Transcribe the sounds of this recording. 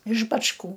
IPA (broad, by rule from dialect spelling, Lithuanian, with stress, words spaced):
ɪʃ bɐt͡ʃˈkuː